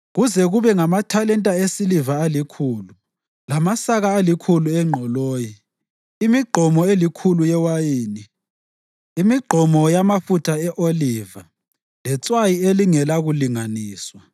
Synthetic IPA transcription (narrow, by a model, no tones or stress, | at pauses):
ɣuzɛɣuβɛŋamatʰalɛntʼaesilivaːlikʰuːlu | lamasaɣaːlikʰuluɛŋ͡ǃʱɔloːji | imiɡ͡ǃʱɔmɔelikʰulujɛwajeːni | imiɡ͡ǃʱɔmɔjamafutʰaɛʔoliva | lɛt͡sʼwajieliŋɛlaɣuliŋaniːswa